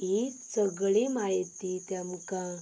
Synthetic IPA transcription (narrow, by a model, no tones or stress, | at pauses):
it͡səɡɭemajt̪it̪jamka